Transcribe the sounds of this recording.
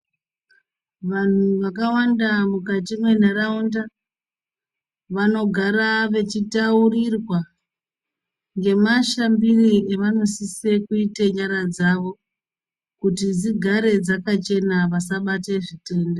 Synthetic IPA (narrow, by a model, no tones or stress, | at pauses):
ʋan̤uʋakawandamukatimwe̞neraunda | ʋano̞ɡʱaɾaʋe̞t͡ʃitaurirwa | ŋɡe̞maʃambirieʋano̞sise̞kuiteɲaɾad͡zaʋo̞ | kutid͡ziɡʱaɾe̞d͡zakat͡ʃe̞naʋasaɓate̞ʐite̞ːnde